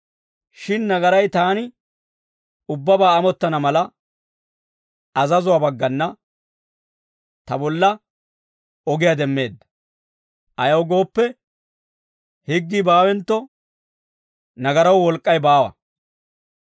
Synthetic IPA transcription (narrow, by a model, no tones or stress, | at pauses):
ʃɪnːɐɡɐɾɐjt̪aːnɪ | ʊbːɐbaːɐmɔt̪ːɐnɐmɐlɐ | ɐzɐzʊwaːbɐɡːɐnːɐ | t̪ɐbɔlːɐ | ɔɡɪjɐd̪ɛmːe̞ːd̪ːɐ̥ | ʔɐjɐwɡo̞ːpːɛ | hɪɡːibaːwɛnt̪ːɔ | nɐɡɐɾɐwwɔlkʼːɐjbaːwɐ̰